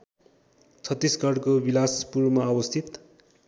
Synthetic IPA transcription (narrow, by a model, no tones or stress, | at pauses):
t͡sʰʌt̪ːisɡʌrkobilaspurmaːwʌst̪ʰit̪